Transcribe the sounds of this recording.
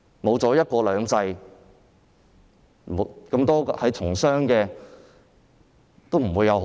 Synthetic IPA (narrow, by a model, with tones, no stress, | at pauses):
mo˨˧wt͡sɔː˨˥jɐ˥t̚kɔː˧lœː˨˧ŋt͡sɐ˧j | kɐ˧mt̪ɔː˥hɐ˨˥jt͡ʃʰʊ˨˩ŋsœː˥ŋkɛː˧ | t̪o˥wm̩˨˩wuː˨˧jːɐ˨˧wɦ